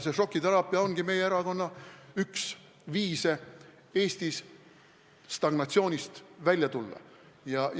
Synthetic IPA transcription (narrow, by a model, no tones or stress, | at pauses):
se̞ʂo̞kːˑit̪ɑɾɑːpːˑiɑo̞nɡ̥ime̞jeeɾɑko̞nːɑyks | viːse | e̞ːst̪is | st̪ɑɡ̥nɑt̪sio̞ːnʲist̪vælʲjɑt̪ulːɑ̰ | jɑ